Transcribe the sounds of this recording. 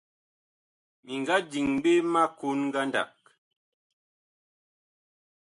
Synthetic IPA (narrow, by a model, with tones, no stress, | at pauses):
mi˨ŋɡa˦d͡ʒi˨ŋm˦be˦ma˦ku˦nŋ̩˦ɡa˦nda̰˨k̚